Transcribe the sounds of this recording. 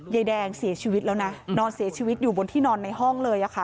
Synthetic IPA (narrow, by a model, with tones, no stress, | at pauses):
jaː˧jdɛː˧ŋsi˨˩˦ɐt͡ɕʰiː˧wi˦˥t̪̚lɛː˦˥wna˦˥nɔː˧nsi˨˩˦t͡ɕʰiː˧wi˦t̪̚juː˨˩bo˧nt̪ʰiː˥˩nɔː˧nːa˧jɦɔ˥˩ŋlɤː˧jʔa˨˩kʰa˧˩